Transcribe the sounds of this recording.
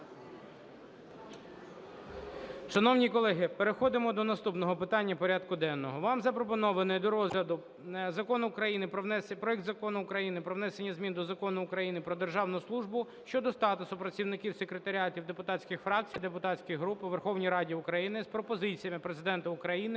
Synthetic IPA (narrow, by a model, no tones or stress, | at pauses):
ʃɐnɔwnʲikɔlˠɛɦɪpeɾexɔd̪ɪmɔd̪ɔnɐst̪upnɔɦɔpɪt̪ɑnʲːɐpɔɾʲɑd̪kʊd̪ɛnːɔɦɔʋɑmzɐpɾɔpɔnɔʋɐnɪjd̪ɔɾɔzlʲɐd̪ʊ | zɐkɔnʊːkɾɐjinɪppɾɔɛk̚t̪zɐkɔnʊːkɾɐjinɪpɾɔʋnɛsenʲːɐzmʲind̪ɔzɐkɔnʊːkɾɐjinɪpɾɔd̪erʒɑwnʊslˠuʒbʊ | ʃt͡ʃɔd̪ɔst̪ɑt̪ʊsʊpɾɐt͡sʲiwnɪkʲiwsekɾet̪ɐɾʲɑtʲiwd̪epʊt̪ɑsʲkʲɪxfɾɑk̚t͡sʲijd̪epʊt̪ɑt͡sʲkɪjɦɾupɪʋerxɔwnʲijɾɑdʲiʊkɾɐjinɪspɾɔpɔzɪt͡sʲijɐmɪpɾezɪd̪ɛnt̪ɐʊkɾɐjinɪ